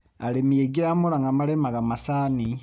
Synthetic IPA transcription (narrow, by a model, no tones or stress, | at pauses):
a̰lemijeɡiɾamolaŋɡamalemaɣamasaːni